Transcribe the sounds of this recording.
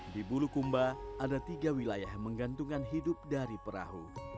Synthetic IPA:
dibulukumbaʔadat̪iɡawilajahməŋɡant̪uŋkanɦidʊp̚daɾipəɾa̰ɦṵ

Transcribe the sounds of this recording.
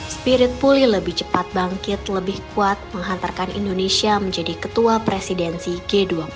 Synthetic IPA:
spiɾɪt̪̚pulɪhləbɪht͡ʃəpat̪̚baŋkɪt̪ləbɪhkuat̪̚məŋɦant̪arkanḭndonesiaməɲd͡ʒadikət̪uapɾesidɛnsiɡedua

